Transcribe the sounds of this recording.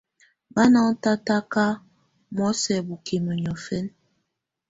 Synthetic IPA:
ba˦na˦ŋ˦ta˦ta˦ka˦ | mɔ˦sɛ˨bu˨ke˨mə˨ɲɔ˨fɛ˦n

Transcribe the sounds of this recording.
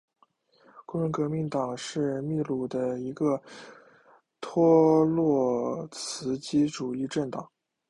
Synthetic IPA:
ko˥˩ɻə˧˥nkɤ˧˥mi˧˥ŋt̪ɑ˨˩ŋʂɻ̩˥˧mi˥˧lu˥˩d̪ə˦i˧˥ɡə˧ | t̪ʰwɔ˥lwɔ˥˩t͡sʰɹ̩˧˥t͡ɕi˥ʈ͡ʂu˨˩i˥˧ʈ͡ʂə˥˩ŋt̪ɑ˨˩˦ŋ

